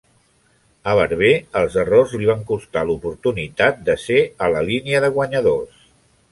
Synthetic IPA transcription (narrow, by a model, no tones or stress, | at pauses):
əβəɾβeəlˠzərozliβ̞aŋkust̪alupuɾt̪unit̪at̪̚d̪əseələliniəðəɣ̞wəɲəðos